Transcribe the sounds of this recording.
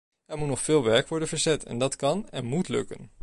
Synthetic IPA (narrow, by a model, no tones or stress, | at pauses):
ɛɹmutnɔχfɪːlˠʋɛɹkʋɔɹdənvəɹzɛtʰɛ̰ndɑtkɑnɛnmutlɵ̰kə̰n